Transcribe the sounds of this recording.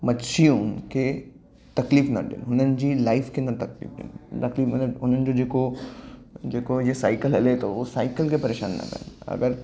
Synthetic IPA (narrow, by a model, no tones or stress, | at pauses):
mɐʃʰiuːnke | t̪ɐkliːfna̰ɖḛːlɦʊnənɪ̆d͡ʑilaːɪfkenɐt̪ɐklḭːfɖḛːlt̪ɐkliːfmɐɦʊnənɪ̆d͡ʑod͡ʑeːko | d͡ʒeːkojesaːɪkəlɦɛlet̪oʋosaːɪkəlkepɐɾeːʃa̰ːnːa̰kɐ̰nɐ̰ɡəɾ